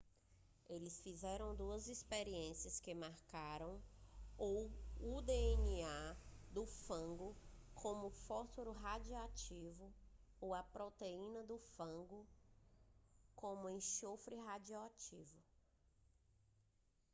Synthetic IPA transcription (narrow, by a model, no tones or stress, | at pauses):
elɪsfizɛɾɐ̃w̃d̪uɐzispeɾiẽsiɐskɪmaɾkaɾɐ̃w̃owud̪eeniad̪ʊfɐ̃ɡʊkʰõmʊfɔtoɾʊɦad͡ʒiat͡ʃivʊ | owɐpɾot̪eĩnɐd̪ʊfɐ̃ɡʊ | kõmʊẽʃofɾɪɦad͡ʒiat͡ʃivʊ